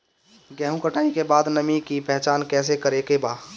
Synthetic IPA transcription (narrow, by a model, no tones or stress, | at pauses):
ɡɛːɦũkəʈaːikebaːd̪nəmikipɛɦt͡ʃaːnkɛːs̬ekəɾekebaː